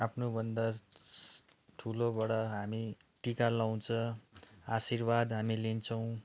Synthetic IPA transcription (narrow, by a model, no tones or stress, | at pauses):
apʰnobʌnd̪a | ʈʰulobʌɽʌɦami | ʈikalaw̃t͡sʰʌ | asirbad̪ɦamilint͡sʰʌw̃